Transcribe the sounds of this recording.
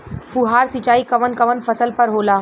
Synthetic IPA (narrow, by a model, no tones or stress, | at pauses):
fuɦaːɾsit͡ʃaːikɐʋənkɐʋənfɐsəlpɐɾɦoːlaː